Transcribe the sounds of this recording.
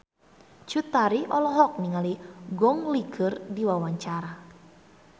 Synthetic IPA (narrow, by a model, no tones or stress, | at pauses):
t͡ʃut̪aɾiʔɔlɔɦɔk̚niŋaliɡɔŋliɡʰərdiwawaɲt͡ʃaɾa